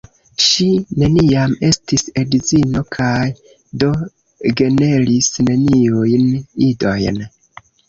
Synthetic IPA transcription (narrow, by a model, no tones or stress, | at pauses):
ʃine̞niame̞stisedizino̞kʰaj | do̞ | ɡe̞ne̞lisne̞niujnido̞jn